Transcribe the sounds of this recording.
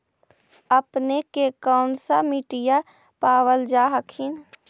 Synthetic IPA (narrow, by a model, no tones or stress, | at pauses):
əpnekekaʊnsamiʈɪja | paːwəld͡ʒaɦəkʰin